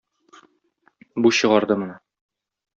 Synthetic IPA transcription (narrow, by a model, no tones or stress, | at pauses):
buɕɤ̆ʁɑɾd̪ɤmɤ̆nɤ